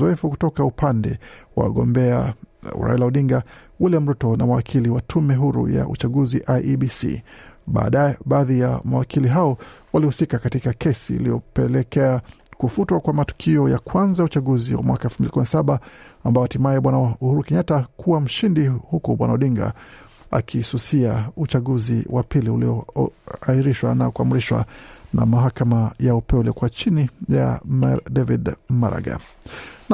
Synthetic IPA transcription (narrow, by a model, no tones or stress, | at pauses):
ɔɛfuku̥tɔkaupandɛ̰wa̰wa̰ɠɔmbɛa̰ṵɾa̰ɛlauɗiŋɡa | ulɛm̩ɾɔtɔnamawakʰiliwatʰumɛɦuɾṵja̰ṵt͡ʃaɠuziʔajʔiɓisḭɓa̰ːɗaɛɓaːðija̰mawakʰiliɦaɔwalihusikakatikakʰɛsḭːlijɔpɛlɛkɛa | kufutwakwamatu̥kʰiɔjakʰwanzajut͡ʃaɠuzḭwa̰mwakaɛlfumbilikuminasaɓaambaɔatimajɛɓwanauhuɾukɛɲatakʰuwam̩ʃindihukuɓwanauɗiŋɡa̰ | a̰kʰisusiaut͡ʃaɠuzḭwʔapiliṵliɔaiɾiʃwanakuamuɾiʃwa̰na̰maɦakamajaupɛɛuliɔkuwat͡ʃinija̰madɛvidmaɾa̰ɡa̰ | n